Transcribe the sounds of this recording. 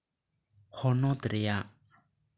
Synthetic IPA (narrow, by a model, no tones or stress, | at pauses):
hɔnɔt̪ɾeja